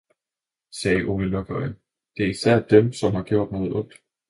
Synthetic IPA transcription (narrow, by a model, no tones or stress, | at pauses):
sɛːʔo̝ʋelʋøɡ̥ɒə | d̥e̝æɐisæɐ̰d̥emsɒ̽mhɑ̈ɡ̥jo̝̰ɐ̰d̥nɔ̽ːðˠɔ̽ŋ̰d̥